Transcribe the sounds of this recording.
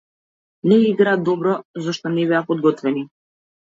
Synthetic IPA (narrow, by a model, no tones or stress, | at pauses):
nɛiɡɾaːd̪ɔbɾɔzɔʃt̪ɔnɛbɛapɔd̪̚ɡɔt̪vɛni